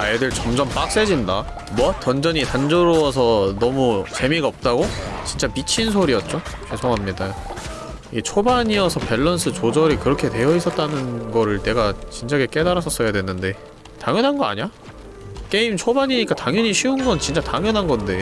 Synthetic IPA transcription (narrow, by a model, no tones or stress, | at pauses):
ajedɯɭt͡ɕʌmd͡ʑʌmp͈ak̚s͈e̞d͡ʑinda | mwʌtʌnd͡ʑʌɲitand͡ʑʌɾowʌsʰʌnʌmut͡ɕe̞miɡaʌp̚t͈aɡot͡ɕint͡ɕ͈amit͡ɕʰins̬ʰoɾijʌt̚t͡ɕ͈o | kesʰoŋɦamɲidajo | iet͡ɕʰobaɲiʌsʰʌpe̞ɭːʌnsʰɯt͡ɕod͡ʑʌɾikɯɾʌkʰe̞twe̞jʌis͈ʌt̚t͈anɯnɡʌɾɯɭte̞ɡat͡ɕint͡ɕaɡek͈e̞daɾas̬͈ʰʌs͈ʌjadwenːɯnde̞ | taŋjʌnɦanɡʌa̰ɲa | k͈e̞imt͡ɕʰobaɲiɲik͈ataŋjʌɲiɕʰiunɡʌnt͡ɕint͡ɕ͈ataŋjʌnɦanɡʌnde̞